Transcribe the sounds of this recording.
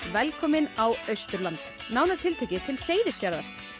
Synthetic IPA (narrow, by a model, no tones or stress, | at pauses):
vɛlkʰɔːmɪnawœɥst̪ʏɾlant̪ | naːwnaɾ̥t̪ʰɪlt̪ʰeːjcɪt̪ʰɪlseːjðɪscaɾðaɾ̥